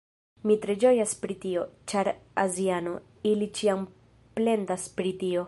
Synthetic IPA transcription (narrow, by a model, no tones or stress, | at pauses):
mitɾe̞d͡ʒo̞jaspɾitio̞t͡ʃaɾaziano̞̰ | ilit͡ʃiam | ple̞ndaspɾitio̞